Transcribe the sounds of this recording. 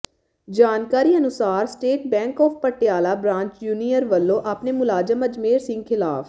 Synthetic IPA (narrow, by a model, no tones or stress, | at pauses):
d͡ʒaːnkaːɾiːənʊsaːɾsʈeːʈ̚bɛ̃ːŋkɔːfpəʈɪjaːlaːbɾãːt͡ʃjuːnijəɾʋəlːõːʔapneːmʊlaːd͡ʒəməd͡ʒmeːɾsɪ̃ŋɡkʰɪla̰ːf